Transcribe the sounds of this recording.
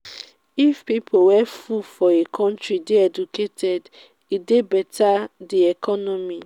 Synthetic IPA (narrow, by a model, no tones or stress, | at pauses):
ifpipʰowɛfufɔekʰɔ̃n̩tɾideɛduketʰɛd | idebɛtʰadiɛkɔnɔmi